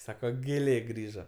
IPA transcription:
ˈsɑːkoː ɡʲeːˈlʲeː ˈɡrʲiːʒɐ

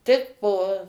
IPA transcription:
ˈtʲɪk poː

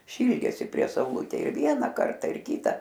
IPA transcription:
ˈʃʲiːlʲdʲeːsʲɪ pʲrʲiɛ sɐʊˈlˠʊtʲeːj ɪr ˈʋʲiɛnɐ ˈkɐrtɐ ɪr ˈkʲiːtɐ

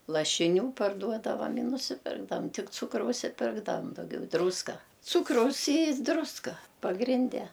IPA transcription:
lˠɐʃʲɪˈnʲuː pɐrˈduɔdɐʋɐ ɪ nʊsʲɪˈpʲɪrɡdɐʋɐm ˈtʲɪk ˈt͡suːkrɐʊs ɪ ˈpʲɪrɡdɐʋɐm dɐʊˈɡʲɛʊ ˈdruːskɐ ˈt͡suːkrɐʊs iː ˈdrʊskɐ pɐɡrʲɪnʲˈdʲɛ

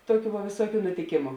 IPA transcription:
ˈtoːˌkʲuː ʋɐ ʋʲeːˈsuɔkʲʊ nʊtʲɪˈkʲeːmʊ

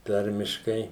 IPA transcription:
ˈtɐrʲmʲɪʃkɐɪ

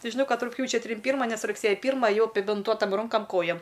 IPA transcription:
ˈtʲɪ ʒʲɪˈnɐʊ ˈkɐt rʊkˈpʲjuːt͡ʃʲɛ ˈtʲrʲɪm ˈpʲiːrmɐ ˈnʲɛs rʊkˈsʲeːjɛ ˈpʲiːrmɑː ɐˈjɛʊ ɐpʲɪbʲɪnˈtuɔtɐm ˈrʊŋkɐm ˈkoːjɛm

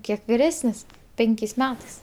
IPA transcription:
ˈkʲiɛk ʋʲɪˈrʲæːsʲnʲɪs ˈpʲɛŋʲkʲeːsʲ ˈmʲæːtɐɪs

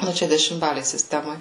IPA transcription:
ˈnʊ ˈt͡ʃʲɛ dʲɛʃʲɪmˈbɑːlʲeːj sʲɪˈsʲtʲæːmoːj

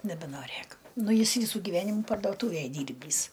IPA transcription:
nʲɛbʲɛnoːˈrʲeːk ˈnʊ ˈjɪs ˈʋʲiːsuː ɡʲɪˈʋʲæːnʲɪmʊ pɐrdoːˈtuːʋʲeːj ˈdʲiːrʲbʲiːs

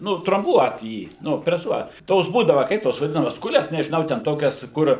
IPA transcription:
ˈnʊ troːmˈbuɔt ˈjiː ˈnʊ pʲrʲɛˈsuɔt ˈtoːs ˈbuːdɐʋɐ ˈkɐɪp toːs ʋɐˈdʲɪnɐmɐs ˈkʊlʲɛs nʲɛʒʲɪˈnɐʊ tʲɛn ˈtoːkʲɛs kʊr

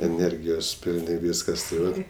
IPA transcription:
ɛˈnʲɛrʲɡʲɪjoːs ˈpʲɪlʲnʲɪ ˈʋʲiːskɐs tɐɪ ˈʋɐt

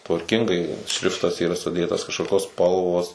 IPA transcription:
tʋɐrʲˈkʲɪŋɡɐɪ ˈʃʲrʲɪftɐs iːˈrɐ sʊˈdʲeːtɐs kɐʃkoːˈkʲoːs ˈspɐlˠʋoːs

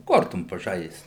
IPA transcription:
ˈkoːrtoːm pɐˈʒɐɪst

